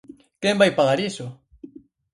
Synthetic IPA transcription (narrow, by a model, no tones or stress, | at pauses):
kɛmbajpaɣaɾisʊ